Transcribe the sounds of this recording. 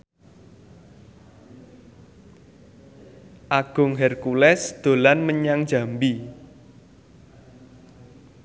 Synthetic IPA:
ʔaɡ̥ʊ̤ŋɦɛrkulɛsd̪̥o̤lanməɲaŋ̥d͡ʒä̤mbi

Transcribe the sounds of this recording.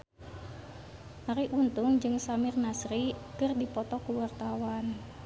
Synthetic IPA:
ʔaɾiʔunt̪ʊŋd͡ʒɨŋsamɪrnasɾikərdipɔt̪ɔkuwart̪awan

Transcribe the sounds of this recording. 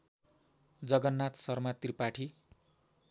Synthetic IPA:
d͡zʌɡʌnːat̪sʌrmat̪ripaʈʰi

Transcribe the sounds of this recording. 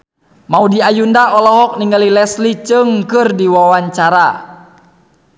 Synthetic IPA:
maudiajundaɔlɔɦɔk̚niŋəlilɛslit͡ʃɨŋkɨrdiwawaɲt͡ʃaɾa

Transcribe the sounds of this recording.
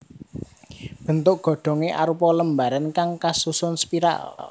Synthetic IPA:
b̥ə̤nt̪ʊkɡ̥ɔ̤ɖ̥ɔ̤ŋeʔa̰ɾupɔləmbaɾankaŋkasusʊnspiɾa̰l

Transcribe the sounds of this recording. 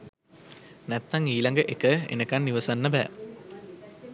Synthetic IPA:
næt̪ːaŋiːlaŋɡəʔekəḛnəkanːiʋɐsanːəbɛ̰ː

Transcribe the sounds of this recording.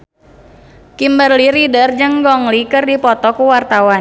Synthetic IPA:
kimbərliɾidərd͡ʒɨŋɡɔŋlikɨrdipɔt̪ɔkuwart̪awan

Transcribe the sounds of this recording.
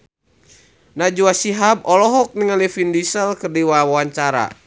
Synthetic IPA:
nad͡ʒuasiɦab̚ɔlɔɦɔk̚niŋəlifindisəlkərdiwawawaɲt͡ʃaɾa̰

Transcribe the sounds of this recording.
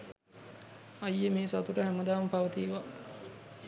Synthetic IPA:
ajːəmeːsat̪uʈəɦæməd̪aːməpaʋət̪iːʋa

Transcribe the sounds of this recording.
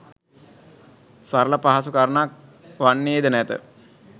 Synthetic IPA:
saɾələpaɦasukaɾənak̚ | ʋanːeːd̪ənæt̪ə̰

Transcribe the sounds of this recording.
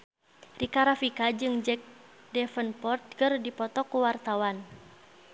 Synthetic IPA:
rikaɾafikad͡ʒɨŋd͡ʒɛk̚dɛfənpɔrt̪̚kərdipɔt̪ɔkuwart̪awan

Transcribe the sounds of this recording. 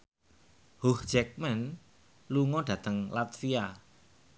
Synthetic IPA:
huhd͡ʒ̥ɛk̚mɛn | luŋɔɖ̥ä̤t̪əŋlat̪fia

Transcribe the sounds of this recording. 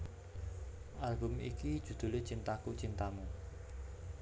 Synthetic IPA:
ʔarɡʊ̤mḭkid̥ʒ̥ṳd̪̥ṳlet͡ʃint̪akut͡ʃint̪amu

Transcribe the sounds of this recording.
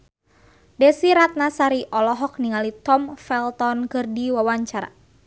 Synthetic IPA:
dɛsiɾat̪̚nasaɾiʔɔlɔɦɔk̚niŋalit̪ɔmfɛlt̪ɔnkɨrdiwawaɲt͡ʃaɾa̰

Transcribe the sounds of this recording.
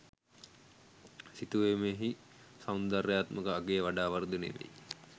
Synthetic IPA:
sit̪uʋemeɦi | sawnd̪arejaːt̪məkəaɡeːʋaɖaːʋɐɾd̪unḛʋḛ

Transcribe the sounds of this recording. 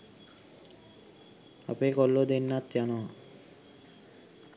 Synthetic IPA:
a̰pekɔlːod̪enːat̪jano

